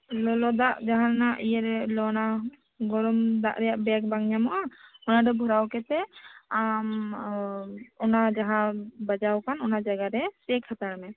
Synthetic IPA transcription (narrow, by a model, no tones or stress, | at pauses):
lɔlɔd̪aʔd͡ʒaɦãɾanaʔijɛɾɛlɔna | ɡɔɾɔmd̪aʔɾɛjaʔbɛk̚baŋɲamɔʔaɔnaɖɔbʱuɾawkɛt̪ɛam | ɔnad͡ʒaɦãbad͡ʒawkanɔnad͡ʒaɡaɾɛsɛkʰat̪aɾmɛ